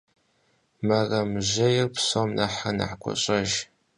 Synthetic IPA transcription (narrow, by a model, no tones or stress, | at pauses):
mɐrɐmʑɐjɪrpsomnɐħanɐ̰ħkʷʼɔ̰ɕʼɐʒ